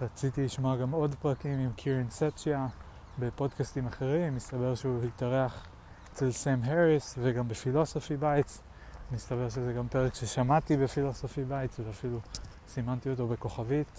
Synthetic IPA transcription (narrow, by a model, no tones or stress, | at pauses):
ʁat͡sit̪iliʃmoaɡamo̞dpʁakimimkʰiʁinset͡ʃja | be̞po̞dkastimaχe̞ʁimːist̪abe̞ʁʃeuhit̪aʁeaχ | et͡selsemɦeʁisveɡambefilo̞so̞fibajtt͡s | mist̪abe̞ʁʃezeɡampe̞ʁekʃeʃamatibefilo̞so̞fibajitt͡sveafilu | simant̪iot̬o̞be̞ko̞χavit